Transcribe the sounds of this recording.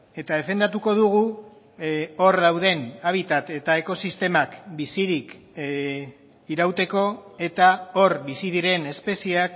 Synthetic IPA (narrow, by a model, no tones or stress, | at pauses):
e̞t̪aðe̞fe̞nd̪at̪uko̞ðuɣ̞u | o̞ɾðawðe̞naβ̞it̪at̪e̞t̪ae̞ko̞sist̪e̞makbisiɾik | iɾawt̪e̞ko̞e̞t̪ao̞ɾβisiðiɾe̞ne̞spe̞siak